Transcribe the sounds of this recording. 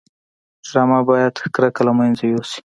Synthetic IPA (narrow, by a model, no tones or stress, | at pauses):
d͡ʒɾɑmabɑjad̪xkɾakalamajnzajosi̥